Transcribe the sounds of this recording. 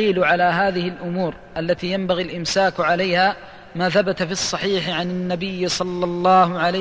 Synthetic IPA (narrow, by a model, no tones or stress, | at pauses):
iːlʕalaːɦaːðɪhɪlʔʊmuːɾ | ʔalːat̪iːjambaɣilʔɪmsaːkʕalajhaː | maːθabat̪afiɑsˤːɑħiːħɪʕanɪnːabɪjːsˤɑlːɑlˤːɑːhʊʕala